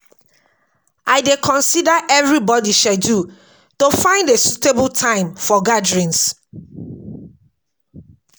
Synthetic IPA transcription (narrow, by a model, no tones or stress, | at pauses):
ʔaɪdekʰɔ̃nsidaʔɛvɹibɔdiʃadu | tofãɪ̃ndesutebəltʰãɪ̃mfɔɡadɹĩns